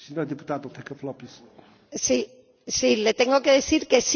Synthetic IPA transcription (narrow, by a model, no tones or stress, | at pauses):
sinõɾðɨpu̥t̪aðnɐ̃t̪ẽkɐfɐlˠopis | si | silet̪eŋɡokeðiθiɾkes